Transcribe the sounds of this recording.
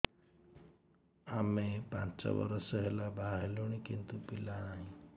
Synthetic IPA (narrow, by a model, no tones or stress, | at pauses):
amepã̰nt͡sɔ̰bʌ̰ɾʌsʌɦelabʱaɦeluɽ̃ikint̪upilaaɦĩ